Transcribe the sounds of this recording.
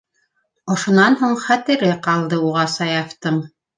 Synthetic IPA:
ŏʃŏnɑnɦuɴχæt̪ɘ̆ɾɘqɑlˠd̪ɤuʁɑsɑjɑft̪ɤm

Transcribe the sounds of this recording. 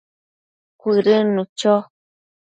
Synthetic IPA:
kʷiɾənũt͡ʃɔ

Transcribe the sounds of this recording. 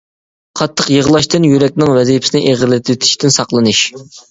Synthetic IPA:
qʰɑt̪ʰːəqjəʁlˠɑʃt̪ɨnjyɾɛk̚ʲnɪŋwɛzipʰɪ̥sɪnɪʔeʁəɾlɪt̪ʰɪt̪ʰɪ̥ʃt̪ɪnsɑqlˠɨnɨʃ

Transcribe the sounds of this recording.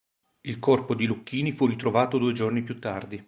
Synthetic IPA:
ilkɔrpod̪ilukːiːnifurit̪ɾovaːt̪od̪uːed͡ʒornipjut̪ːard̪i

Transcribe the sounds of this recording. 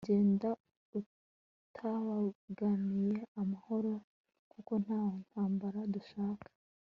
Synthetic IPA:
ɟe̞ːnda | u | tʰaβaɡanije̞amaho̞ɾo̞ | kuko̞n̥haːwon̥haːmbaɾaduʃaːkḁ

